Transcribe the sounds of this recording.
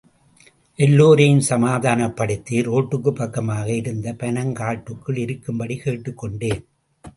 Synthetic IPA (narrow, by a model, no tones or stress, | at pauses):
ʔɛlːoːɾɐjɪnsɐmaːðaːnɐpːɐɽɪt̪ːiɾoːʈːɯkːɯpːɐkːɐmaːɣɐɪɾɯnd̪ɐpɛnɐŋkaːʈːɯkːɯɭɪɾɯkːɯmbɐɽikeːʈːɯkːɔɳɖeːn